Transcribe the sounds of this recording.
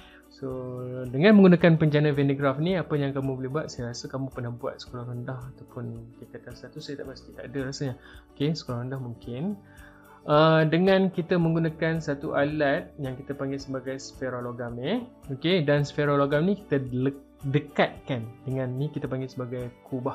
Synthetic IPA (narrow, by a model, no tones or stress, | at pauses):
sodəŋãnməŋɡunakanpəɲd͡ʒanəvɛneɡɾafniapəjaŋkamũbolɛhbuat̪̚sajaɾasəkamũpənahbua̰t̪̚sə̥koɾaɾəndahat̪awpʊnkit̪kat̪asat̪usajət̪a̰ʔmast̪it̪aʔːdəɾasəɲaokesə̥kolaɾəndahmuŋkɪn | ʔədəŋãnkit̪əmə̃ŋɡunakansat̪uʔalat̪̚jaŋkit̪əpaŋɡɪsəbaɡajsfeɾoloɡameokedansfeɾoloɡamniki̥t̪ələ | dəkat̪̚kandəŋãnːikit̪apaŋɡesəbaɡajkʰubah